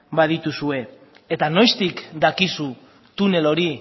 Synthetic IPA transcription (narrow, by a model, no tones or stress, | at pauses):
bað̞it̪usue̞ | et̪ano̞jst̪ikd̪akisu | t̪une̞lo̞ɾi